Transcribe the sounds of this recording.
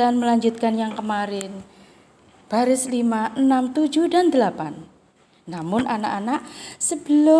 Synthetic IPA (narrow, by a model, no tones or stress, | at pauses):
anməlaɲd͡ʒut̪̚kanjaŋkəmaɾɪn | b̥aɾɪslimaʔənamt̪ud͡ʒuhdand̪əlapanː | amʊnʔana̰ʔanaʔsəb̥əlʊ